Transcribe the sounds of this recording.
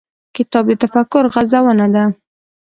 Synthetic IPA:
kɪt̪ɑb̚d̪ət̪afakʊɾɣazawənad̪a

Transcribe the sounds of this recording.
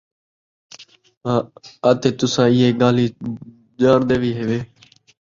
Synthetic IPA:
ɦãːaːt̪eːt̪ʊsãːɪɦeːɠaːliː | d͡ʒaːɾd̪eːʋiːɦeːʋeː

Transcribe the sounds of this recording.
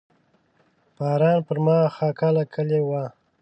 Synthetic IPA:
b̥ɑːɾɑːnpəɾmɑxakalakʰəlewa

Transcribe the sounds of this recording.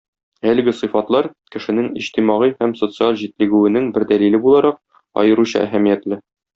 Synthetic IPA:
ælɘ̆ɡɘsɨ̆fɑt̪lˠɑɾkɘ̆ʃɘ̆nɘŋḭɕt̪imɑʁihæmsot̪sɨalˠʑit̪lɘ̆ɡʉwɘ̆nɘŋbɘ̆ɾd̪ælilɘbulˠɑɾɑq̚ | ɒ̰jɤ̆ɾuɕɑ̰ʔæ̰ɦæmijæt̪lɘ

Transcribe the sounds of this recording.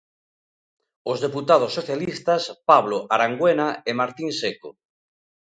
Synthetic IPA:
ozðeput̪að̞osːoθjalist̪aspaβloʔaɾaŋɡwenaemaɾt̪inseko

